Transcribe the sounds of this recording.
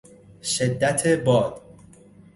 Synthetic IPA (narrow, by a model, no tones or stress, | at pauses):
ʃed̪ːæt̪ʰebɒːd̪̥